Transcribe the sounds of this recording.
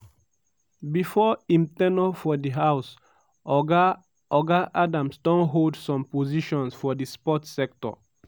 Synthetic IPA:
bifɔĩmtɛnofɔdiɦaws | ɔɡa | ɔɡaʔadãmsdɔ̃nɦoldsɔ̃mpoziʃɔ̃nsfɔdispɔtsɛk̚tɔ̰

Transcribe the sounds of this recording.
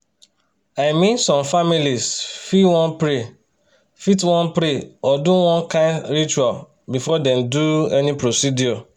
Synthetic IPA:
aɪmĩnsɔ̃mfamilisfiwɔ̃npɾe | fitwɔ̃npɾeɔduwɔ̃nkãɪnɾit͡ʃual | bifɔdɛ̃mduɛnipɾosidiɔ

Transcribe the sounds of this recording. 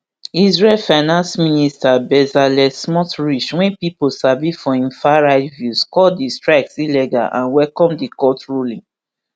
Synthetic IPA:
izɹɛlfaɪnãnsministabɛzalɛsmɔtɹiʃwɛ̃npiposavifɔĩmfaɹaɪdvjuskɔdistɹaɪksilɛɡa̰ʔã̰nwɛlkɔ̃mdikɔtɹulĩ

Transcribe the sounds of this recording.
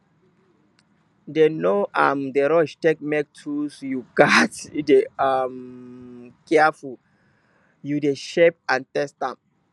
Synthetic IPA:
denoʔa̰mdeɾɔʃtek̚mɛk̚tʰusjuɡatdeam | kɛaful | judeʃep̚ãntɛstãm

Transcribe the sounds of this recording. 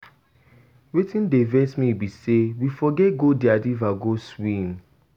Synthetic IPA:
wetʰĩndevɛsmibisewifɔɡɛtɡodiadivaɡoswĩm

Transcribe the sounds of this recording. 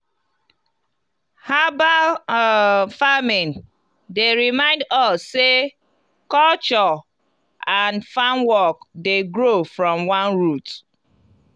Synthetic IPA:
haba | famĩn | deɹimãɪ̃ndɔsːe | kɔlt͡ʃɔ | ãnfãnwɔkdeɡɹofɹɔ̃mwãnɹut

